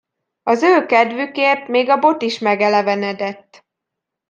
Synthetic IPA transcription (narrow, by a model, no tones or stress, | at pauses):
ɒzøːlkɛd̪vykeːrt̪meːɡɒbo̞t̪iʃmɛɡɛlɛvɛnɛd̪ɛt̪ː